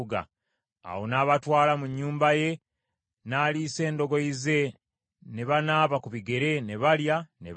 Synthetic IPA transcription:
ɡa̰ | a̰wo̞naːβatwaːlamuɲːuːmbaje̞ | naːliːse̞ːndo̞ɡo̞ize̞ | ne̞βanaːβakuβiɡe̞ɾe̞ne̞βaljanḛ

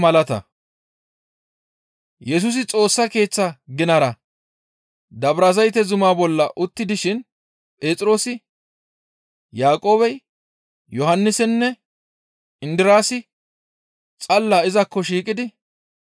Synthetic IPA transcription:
mɐlɐt̪ɐ̰ | jɛs̬ʊs̬ɪt͡sʼo̞ːsːɐke̞ːt͡sːɐɡɪnɐɾɐ | d̪ɐbɾazɐjt̪ɛzʊmaːbɔlːɐʔʊt̪ːɪd̪ɪʃɪn | pʼe̞ːt͡sʼɪɾo̞ːsɪ | jaːkʼo̞ːbɛj | jɔɦɐnːɪsɛnːɛ | ɪnd̪ɪɾaːsɪ | t͡sʼɐlːaːɪzɐkːɔʃiːkʼɪd̪ɪ

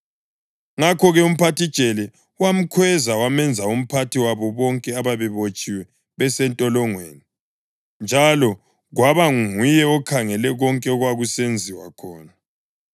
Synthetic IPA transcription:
ŋakʰɔɣɛum̩pʰatʰid̥t͡ʃʼɛlɛ | wam̩kʰwɛzawamɛnd͡zʱaum̩pʰatʰiwaβɔβɔŋkʼɛaβaβɛβot͡ʃʼiwɛ | βɛsɛntʼɔlɔŋweːni | nd͡ʒʱalɔ | ɣwaβaŋŋujɛɔkʰaŋɛlɛɣɔŋkʼɛɔɣwaɣusend͡zʱiwa̰kʰɔːna

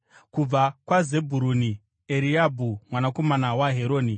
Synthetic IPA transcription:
kub͡vakwazebʱuɾuni | eɾiabʱumwanako̞manawaɦeɾo̞ːni

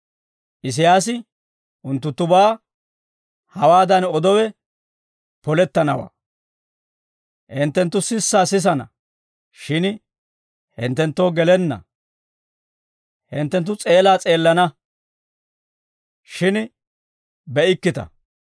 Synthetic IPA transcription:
ʔɪs̬ɪjaːs̬ɪ | ʔʊnt̪ːʊnt̪ːʊbaː | hɐwaːd̪ɐnɔd̪ɔwɛ | pɔlɛt̪ːɐnɐwa̰ː | hɛnt̪ːɛnt̪ːʊsɪsːaːsɪs̬ɐnɐ̰ | ʃɪn | hɪ̰nt̪ːɛnt̪ːoːɡɛlɛnːɐ̰ | hɪnt̪ːɛnt̪ːʊt͡sʼe̞ːlaːt͡sʼe̞ːlːɐnɐ | ʃɪn | bɛʔɪkːɪt̪ɐ̰

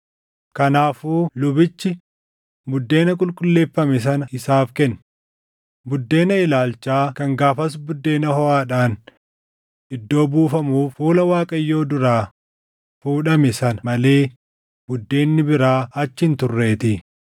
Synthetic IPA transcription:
kɐnaːfuːlʊbɪt͡ʃːɪ | bʊd̪ːe̞ːnɐkʼʊlkʼʊlːe̞ːfːɐmɛs̬ɐnɐɪsaːfkɛnː | bʊd̪ːe̞ːnɐɪlaːlt͡ʃːaːkɐŋɡaːfɐs̬bʊd̪ːe̞ːnɐhɔaːᶑaːn | ɪd̪ːo̞ːbuːfɐmuːfuːlɐwaːkʼɐjːo̞ːd̪ʊɾaː | fuːᶑɐmɪsɐnɐmɐle̞ː | bʊd̪ːe̞ːnːɪbɪɾaːɐt͡ʃːɪɪnt̪ʊrːe̞ːt̪ɪ

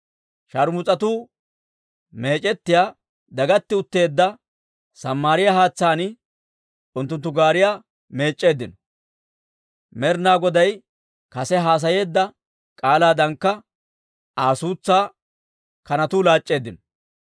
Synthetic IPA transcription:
ʃɐɾmʊt͡sʼɐt̪uː | me̞ːt͡ʃʼɛt̪ːɪjaː | d̪ɐɡɐt̪ːɪʊt̪ːe̞ːd̪ːɐ | sɐmːaːɾɪjahaːt͡sːaːnɪ | ʊnt̪ːʊnt̪ːʊɡaːɾɪjaː | me̞ːt͡ʃʼːe̞ːd̪ːɪnɔ | mɛɾnaːɡɔd̪ɐj | kɐsɛɦaːs̬ɐje̞ːd̪ːɐ | kʼaːlaːd̪ɐŋkːɐ | ʔaːsuːt͡sːaː | kɐnɐt̪uːlaːt͡ʃʼːe̞ːd̪ːɪnɔ

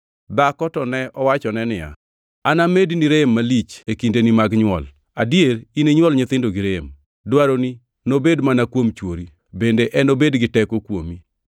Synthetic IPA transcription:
dakɔtɔnɛɔwat͡ʃɔnɛnɪja̰ | anamediniɾemːalit͡ʃekindenimaɡɲwɔl | adjeɾineɲwɔlɲɪt̪ɪndoɡɪɾem | dwaɾoni | nobedmanakwomt͡ʃwoɾi | bendeʔɛnobedɡɪtɛkokwomi

